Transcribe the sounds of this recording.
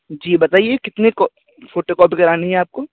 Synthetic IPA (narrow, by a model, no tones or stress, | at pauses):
d͡ʒiːbɐt̪aːiekɪt̪nekɔ | foːʈokɔːpikɐɾaːneɦɛaːp̚koː